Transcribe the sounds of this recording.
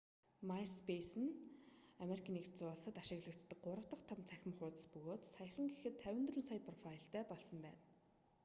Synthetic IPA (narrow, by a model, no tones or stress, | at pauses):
majspʰesɘ̆nameɾikʰanikt͡sʊːɮsə̆t̪aʃɪ̆ɣɮə̆kt̪ːə̆k̚ɢʊɾə̆w̥t̪ə̆χt̪ʰamt͡sʰæxʲɪ̆mχʊːt̪ə̥̆spɵɣoːt̪saj̆χə̆ŋɡexɘ̆t̪ʰːæwʲɪ̆nt̪rɘ̆nsajpʰrɔfaɪɬt̪æːpɔɮsɞ̆mpæ̰ːn